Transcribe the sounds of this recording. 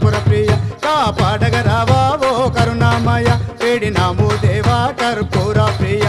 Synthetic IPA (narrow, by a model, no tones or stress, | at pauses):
puɾɐpɾiːjɐkaːpaːɖɐɡɐɾaːʋaːʋokɐɾunaːmɐjɐpeːɽinaːmod̪eːʋaːkɐɾpuːɾaːpɾiːjɐ